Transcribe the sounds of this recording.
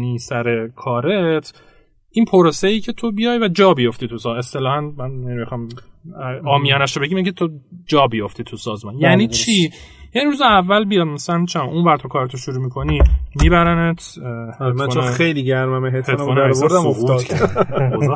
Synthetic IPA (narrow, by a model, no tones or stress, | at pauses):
niːsæɾekʰɒːɾet̪ʰ | ʔinpʰoɾoseiːcʰe̞t̪ʰobijɒjvæd͡ʒɒːbijo̞ft̪iːt̪ʰusɒest̪e̞lɒːhænmænenimixɒːm | ɒːmijɒːnæʃobeɟimjeinicʰet̪ʰod͡ʒɒːbijoft̪iːt̪ʰusɒːzmɒnjæniːt͡ʃʰi | jæniɾuzeævːælbijɒd̪mæsælænt͡ʃʰeʔunvæɾt̪ʰokʰɒːɾet̪ʰoʃuɾuːmikʰo̞nimiːbæɾænet̪ʰhmænːnejliɟæɾmæmeɦet̪ʰetnvɔːnæɾsoɾd̪æmofuːd̪o